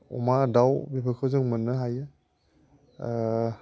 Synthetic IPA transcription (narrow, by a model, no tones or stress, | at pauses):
ṵmadawbipʰɯkʰɯwzɯŋmɯnːɯɦajɯ